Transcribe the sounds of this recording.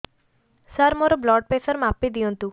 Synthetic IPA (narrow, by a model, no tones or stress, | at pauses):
saɾmoɾoblɔɖ̚pesəɾmapːid̪iɔnt̪u